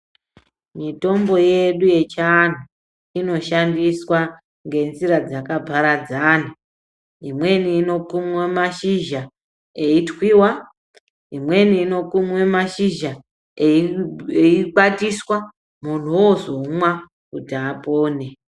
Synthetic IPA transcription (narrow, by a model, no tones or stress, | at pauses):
mito̞mbo̞je̞ɗuje̞t͡ʃan̤u | ino̞ʃandiswa | ŋɡe̞nziɾad͡zakabʱaɾad͡zana | imwe̞niːno̞kumwemaʃiʒa | eitwiːwa | imwe̞niːno̞kumwe̞maʃiʒa | iɓatiswa | mun̤uwozomwa | kutiapoːne̞